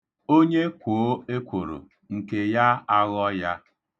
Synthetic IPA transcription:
o˦ɲe˦kʷoː˨˦e˦kʷo˨ɾo̰˨ | ŋ̩˨ke˨ja˦a˦ɣɔ˦ja˦

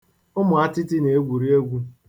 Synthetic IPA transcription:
ʊ˦mʊ˨a˦tɪ˦tɪ˦ne˨e˦ɡʷu˨ɾi˦e˦ɡʷu˦

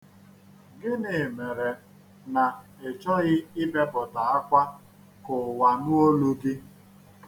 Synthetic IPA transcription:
ɡɪ˦nɪ˨me˨ɾe˨ | na˨ | e˨t͡ʃɔ˦ɣɪ˦ɪ˦be˦bʊ˨ta˨a˦kʷa˦ | kʊ˨wa˨nʊ˦o˦lu˦ɡi˦

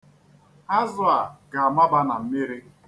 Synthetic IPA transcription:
a˦zʊ˦a˨ɡa˨a˨ma˦ba˦na˨m̩˦mɪ˦ɾi˦

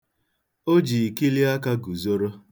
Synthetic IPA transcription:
o˦d͡ʒi˨i˨ki˦li˦a˦ka˦ɡu˨zo˦ɾo˦

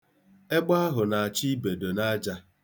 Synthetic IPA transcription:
e˦ɡ͡ba˦a˦ɦʊ˨na˨a˨t͡ʃi˦be˨do˨na˦d͡ʒa˦

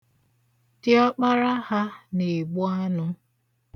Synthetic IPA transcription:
tɪ˦ɔ˦k͡pa˦ɾa˦ha˦ne˨ɡ͡bʊ˦a˦nʊ˦

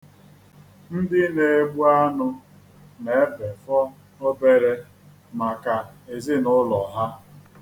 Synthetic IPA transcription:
n̩˦dɪ˦ne˨e˨ɡ͡bu˦a˦nʊ˦ | ne˦be˨fɔ˦ | o˦be˨ɾe˦ | ma˨ka˨e˨zɪ˦nʊ˦lɔ˨ɦa˦

